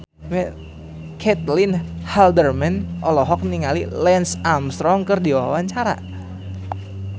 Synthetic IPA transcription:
mɛ | kʰɛt̪̚linhaldərmɛnʔɔlɔɦɔk̚niŋalilɛnsamst̪ɾɔŋkərdiwawaɲt͡ʃaɾa̰

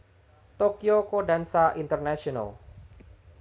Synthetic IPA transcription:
t̪okiokodansaʔint̪ərnaʃiɔna̰l

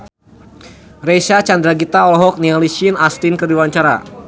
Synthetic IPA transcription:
resat͡ʃand̪ɾaɡit̪aɔlɔɦɔk̚nialisinast̪inkərdiwaɲt͡ʃaɾa̰

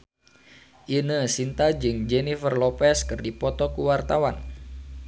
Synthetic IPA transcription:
ʔinəsint̪ad͡ʒɨŋd͡ʒɛnifərlɔpɛskɨrdipɔt̪ɔkuwart̪awan

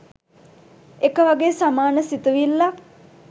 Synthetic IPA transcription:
ekəʋaɡeːsamaːnəsit̪uʋilːa

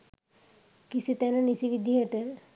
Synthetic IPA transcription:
kisit̪ɛnənisiʋid̪ʱiɦeʈə

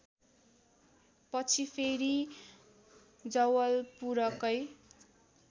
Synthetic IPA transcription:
pʌt͡sʰipʰeɾi | d͡zʌwʌlpuɾʌkʌj

